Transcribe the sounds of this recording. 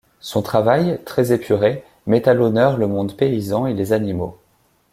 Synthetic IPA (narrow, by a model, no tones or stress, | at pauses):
sɔ̃t̪χavajt̪χɛzepʰyʁe | mɛt̪alɔnœʁləmɔ̃d̪peizɑ̃elezanimo̰